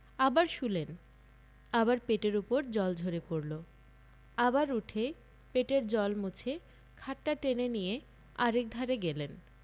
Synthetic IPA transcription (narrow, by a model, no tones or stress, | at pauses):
abaɾʃulen | abaɾpeʈeɾupoɾd͡ʑɔld͡ʑʱoɾepoɾlo | abaɾuʈʰe | peʈeɾd͡ʑɔlmut͡ɕʰe | kʰaʈːaʈenenije | aɾek̚d̪ʱaɾeɡelen